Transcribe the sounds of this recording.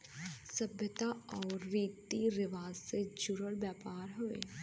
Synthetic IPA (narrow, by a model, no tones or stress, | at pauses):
sɐbjət̪aɔːɾːiːt̪iɾɪʋaːzsed͡ʒʊɾəlbjaːpaːɾɦoḛː